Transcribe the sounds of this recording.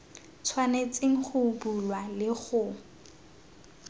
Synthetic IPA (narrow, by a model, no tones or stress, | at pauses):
t͡sʰwanet͡sʼeŋ̩χʊbulwalɪχʊ